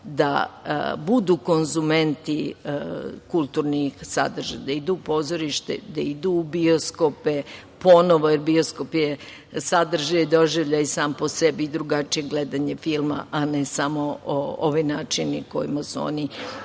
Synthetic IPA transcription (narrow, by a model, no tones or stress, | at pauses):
d̪a̰bud̪uːko̞nzume̞nt̪i | kulˠt̪uːɾnixsa̰d̪r̩ʒa̰d̪aid̪uːpo̞ːzoɾiʃt̪ḛd̪aid̪uːbio̞skope | po̞noʋojeɾbio̞sko̞pje | sad̪r̩ʒajoid̪o̞ʒiʋʎaisaːmpo̞sebiːd̪ɾuɡat͡ʃije̞ɡled̪aɲe̞filˠma̰ʔanesamo̞oo̰ʋojnaːt͡ʃiniko̞̰jḭmasuo̰ni